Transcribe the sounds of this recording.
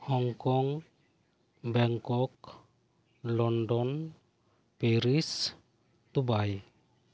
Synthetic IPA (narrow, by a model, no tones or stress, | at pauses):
hɔŋkɔŋ | bɛŋkɔk | lɔnɖɔn | peɾis | d̪ubaj